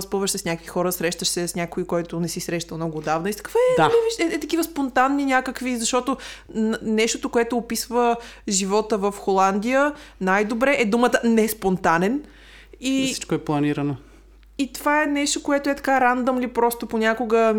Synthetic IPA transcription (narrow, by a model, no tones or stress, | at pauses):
spɤvəʃsɛsnʲakvixɔɾəsɾɛʃt̪əʃsɛsnʲakoikɔjt̪ʊnɛsisɾɛʃt̪ɐlˠmnɔɡʊːd̪avnɐist̪ɐ̥kə̥faɛd̪aɛviʃɛɛt̪ɐkivəspont̪anːinʲjakəkvizɐʃt̪ɔt̪o | nɛʃt̪ot̪okoɛt̪ʊːpisvəʒivɔt̪əvəfxolˠand̪ijənajd̪obɾɛʔɛd̪umət̪ənɛspont̪anɛn | isi̥t͡ʃkoɛplˠɐniɾəno | it̪ovaɛnɛʃt̪okoɛt̪oɛt̪ɐ̥kaɾand̪omlipɾɔst̪oponʲakoɡə